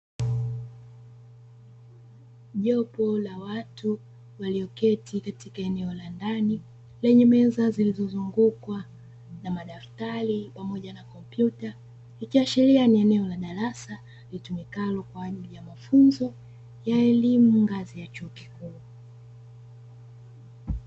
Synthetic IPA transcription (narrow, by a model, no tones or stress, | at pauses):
ʄɔpɔlawatu | waliɔkɛtʰikatikaɛnɛɔlandani | lɛɲɛmɛzazilizɔzuŋɡukwa | namaɗaftaɾipamɔʄanakɔmpjuta | ikiaʃɛɾianiɛnɛɔlaɗaɾasa | litumikalɔkwaːʄilijamafunzɔ | jaɛlimuŋɡazijat͡ʃuɔki̥kuː